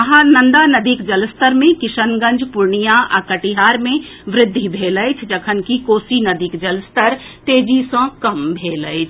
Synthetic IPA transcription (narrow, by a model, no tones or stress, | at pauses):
ɐɦanɐ̃nd̪anɐd̪iːkd͡ʒɐlst̪əɾmẽkɪʃənɡə̃nd͡ʒʱpʊɾɳijaʔə̰kəʈiɦaːɾmẽʋɾɪd̪ʱːibʱeːləjt͡ʃʰd͡ʒɐkʰənkikoːsinɐd̪iːkd͡ʒəlst̪əɾt̪eːd͡ʒisə̃kɐmbʱeːlət͡ʃʰ